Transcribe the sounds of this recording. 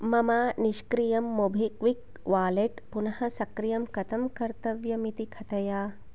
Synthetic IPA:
mɐmaːniʃkɾijɐmːobʱikʋik | ʋaːleʈpunɐhɐsɐkɾijɐmkɐt̪ɐmkɐɾt̪ɐʋjɐmit̪ikʰɐt̪ɐjaː

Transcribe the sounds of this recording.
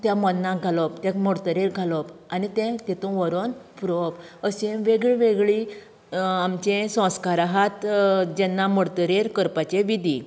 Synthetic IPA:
t̪jãmɔnːãɡʱalɔpt̪jãmɔɽt̪əɾeɾɡʱalɔpanit̪ɛ̃t̪ɛt̪ũʋəɾonpɾopəsẽʋeɡɭiʋeɡɭi | amt͡ɕẽsɔ̃wskaɾaɦat̪d͡ʑɛnːamɔɽt̪əɾeɾkəɾpat͡ɕeʋid̪ʱi

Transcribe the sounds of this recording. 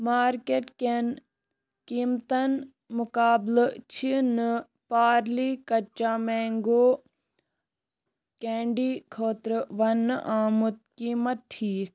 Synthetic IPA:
maːɾkeʈken | kiːmt̪ɐn | mʊkaːblt͡ʃʰin | paːɾliːkɐt͡ʃːaːmeːŋɡoː | kẽːɳɖiːkʰoːt̪ɾʋɐnːʔaːmut̪̚kiːmɐt̪̚ʈʰiːk

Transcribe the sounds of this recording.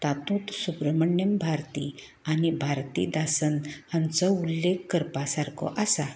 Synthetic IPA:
t̪at̪ũt̪subɾəməɳjəmbʱaɾt̪ḭ | anibʱaɾt̪ḭd̪asənhãnt͡sɔulːekkəɾpasaɾkʰɔ̰ʔasa

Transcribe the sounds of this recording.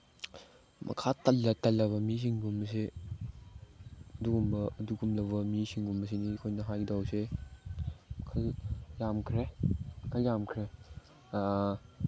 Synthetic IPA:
mʔɐ̰kʰatɐlːɐtɐlːɐβɐmis̬iŋɡumbɐs̬e | ɐduɡumbɐːduɡumlɐβɐmisiŋɡumbɐs̬enikʰojnɐɦajɡdawse | kʰɐljamkʰɾekʰɐljamkʰɾe

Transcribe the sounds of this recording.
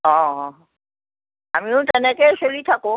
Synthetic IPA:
ɔ̃ɦɔ̃ | amiuʈɛnekeʃolit̪ʰako

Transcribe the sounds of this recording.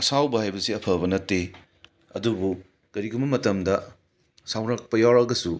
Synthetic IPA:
ɐsawbɐhajbɐsiɐpʰɐbɐnɐtːe | ɐ̰dubu | kɐɾiɡʰumbɐmɐtɐmdɐ | sawɾɐk̚pɐjawɾɐɡɐsu

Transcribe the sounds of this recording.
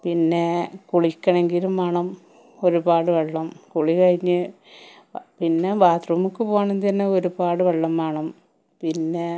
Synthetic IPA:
pinːe̞kuɭikʲːɐɳe̞ŋɡilumaːɳɐm | o̞ɾubaːɽɨʋeɭːɐmkuɭikɐɻiɲːɨ | pinːe̞baːt̪rɐmukːɨpoːaɳent̪ɐnːeo̞ɾubaːɽɨʋeɭːɐmaːɳɐm | pinːe

